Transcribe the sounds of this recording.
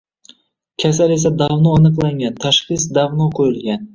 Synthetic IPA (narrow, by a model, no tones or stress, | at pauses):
kʲʰasale̞sad̪avnɒːnɨqlˠaŋɡʲant̪ʰaʃχɨsd̪avnɒqʰojɪlɡʲan